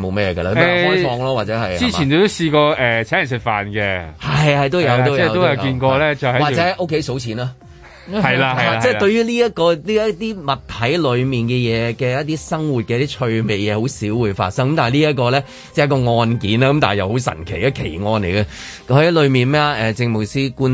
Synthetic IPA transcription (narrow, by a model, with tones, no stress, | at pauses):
mo˨˧wmɛː˥jɛ˨˧ɡɐ˧laː˧km˥˨˧hɔː˥jfɔː˧ŋlaː˥waː˨t̚t͡sɛː˨˥hɐ˨ji˥t͡si˨˩ne˨˧t̪o˥siː˧kɔː˧ɛ˨t͡sʰɛː˨˦˥jɐ˨˩nsɪ˨t̚fa̰ː˨nkɛ˧hɐ˨jhɐ˨jt̪̬wjɐ˨˧wt̪o˥wjɛ˥˧t̪o˥wɐ˨˧wkiː˧nkɔː˧lɛː˥t͡sɐ˨hɐ˦wa˨t͡sɛ˨˦˥ɐ˨jʔo˥kʰe˨˥jso˨˥wt͡sʰiː˨˥naː˥ | ɐ˨jlaːɐ˨ɐ˨jaː˨t͡sɛː˥˩t̪ɵ˧ɥjyː˥liː˥jɐ˥t̚kɔː˧liː˥ɐ˥t̪iː˥mɐ˨t̪ʰɐ˨˥jlɵ˨˧ɥmiː˨˩nkɛː˧jɛː˨˧kɛː˧jɐ˥t̚t̪iː˥sɐ˥ŋwuː˨t̚kɛː˧ɐ˥t̪iː˥t͡ʃʰɵ˧ɥme˨˩jjɛː˨˧ho˨˥wsiː˨˥wuː˨˧˩jfa̰ː˧t̚sɐ˥ŋkɐ˨mt̪aː˨˩liː˥jɐ˥t̚k̬ːɔː˧lɛː˥ | t͡sɛ˥˩jɐ˥kɔː˧ŋɔː˧nkiː˨˥naː˥kɐ˧˦mt̪aː˨˩jɐ˨who˨˧˥wsɐ̰˨˩nkʰe˨˩jɐ˧kʰe˨˩jŋɔː˧nle˨˩jɡɐ˧ | khɐ˨˦˥jlɵ˨˧ɥmiː˨˩nmɛː˥a˧ʔɛː˨t͡sɪ˧ŋmo˨˩siː˥kuː˥n